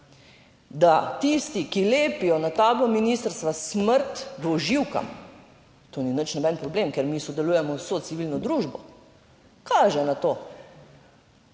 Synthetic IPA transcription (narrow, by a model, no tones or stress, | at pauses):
d̪at̪ist̪ikileːpijɔnat̪aːblɔminist̪əɾst̪ʋasməɾt̪ʋɔʒiwka̰m | t̪oninət͡ʃnɔbɛnpɾɔbleːmkɛɾmisɔd̪ɛluːjɛmɔwsoːt̪siʋilnɔd̪ɾuːʒbɔ | kaːʒɛnat̪oː